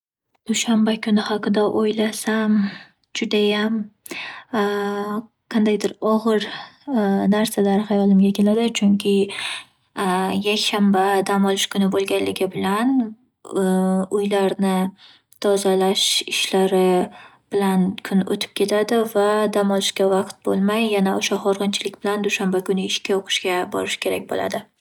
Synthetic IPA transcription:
d̪̥ʊʃambakʰʊnɪhaqɨd̪aʔojlasam | d͡ʒʊd̪ajam | qʰɑnd̪ajd̪ɪɾɒʁɨɾ | naɾsalaɾhajɒlɪmɡʲakʲʰe̞lad̪ɪt͡ʃʰʊŋkʲʰɪ | jakʲʃambad̪amɒlɪʃkʰʊnɪbolˠɡʲanlɪɡʲɪbɪlan | ʊjlaɾnɪ | t̪ʰɒzalaʃɪʃlaɾɪ | b̥ɪlankʰʊno̰t̪ʰɪ̥p̚kʲʰe̞t̪ʰad̪ɪvad̪amɒlɪʃkʲavɑqt̪̚bo̰lˠmajːanaoʃahɒɾʁɨnt͡ʃʰɪlɪk̚ʲbɪland̪ʊʃambakʊnɪɪʃkʲaoqʰɨ̥ʃkʲabɒ̰ɾɪʃkʲʰe̞ɾakʲbo̰la̰d̪ɪ

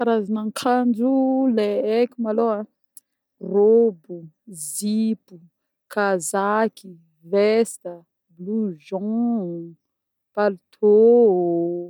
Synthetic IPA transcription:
kaɾazanaŋkʰand͡ʒuleekʲumaloa | robu | zipu | kazaki | vɛst̪ə | bluʒɔ̃ | palt̪ʰo

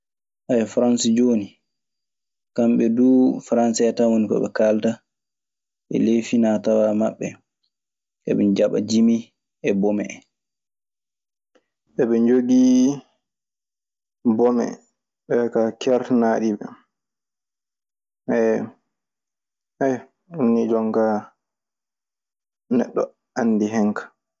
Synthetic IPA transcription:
ʔajɛfɾansd͡ʒoːni | kamɓɛduːfɾansaɛtawonikɔ̰ɓɛ̰kalta | ʔɛ̰lefinatawamaɓːɛ | ʔɛ̰ɓɛd͡ʒaɓa̰d͡ʒimi | ɛbɔmɛ | ɓɛɓɛnd͡ʒoɡi | bɔmɛ̰ | ɓɛkakɛɾtnaɗiɓɛ̰ | ɛ | ɛj | unːid͡ʒɔŋka | nɛɗːɔ̰ | anːdiɦɛŋkḁ

